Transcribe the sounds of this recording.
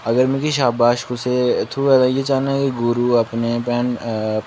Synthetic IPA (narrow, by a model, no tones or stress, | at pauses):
ɐɡəɾmẽkiʃ̬aːbaːʃkʊset̪ʰuʋɛd̪ãjet͡ʃaːnaɦɛkiɡʊɾuɐpnepɛːn